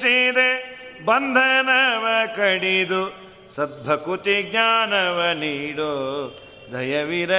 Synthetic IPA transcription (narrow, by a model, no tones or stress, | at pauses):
t͡ʃid̪e | bɐnd̪ʱɐnɐʋɐkɐɽid̪u | sɐd̪̚bʱɐkut̪iɡɲaːnɐʋɐniːɽoː | d̪ʱɐjɐʋiɾɐ